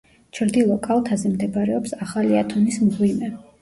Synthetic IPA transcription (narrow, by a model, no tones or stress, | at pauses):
t͡ʃʰɾd̪ilˠɔkʼalˠt̪ʰazɛmd̪ɛbaɾɛɔpsaχaliat̪ʰɔnismɡwimɛ